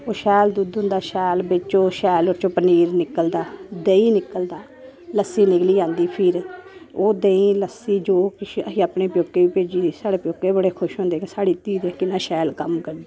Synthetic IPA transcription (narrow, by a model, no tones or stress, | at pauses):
oːʃɛːld̪uːd̪ʊ̃nd̪aːʃɛːlbɪt͡ʃt͡ʃoːʃɛːloːɾt͡ʃoːpəniːɾnɪkəld̪aːd̪eːiːnɪkːəld̪aː | ləsːiːnɪkliːd͡ʒãːnd̪iːpʰɪɾoːd̪eːĩːləsːiːd͡ʒoːkɪəɦiːaːpɳeːpjoːkːeːʋiːpeːd͡ʒiːd̪iːsaːɽeːpjoːkːeːbəɽeːkʰʊʃɦõnd̪eːkːsaːɽiːt̪iːd̪ɛːkɪnãːʃɛːlkəmkəɾd̪iː